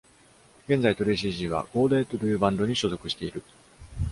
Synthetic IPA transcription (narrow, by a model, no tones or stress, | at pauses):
ɡ̥ẽ̞nd͡zait̪o̞ɾeːɕ̬iʑiβa̰ɡ̥o̞ːd̪e̞ːt̪oɾɯɯbãnd̪o̞ɲ̟iɕozo̞kɯ̟ɕi̥t̪e̞iɾɯ̟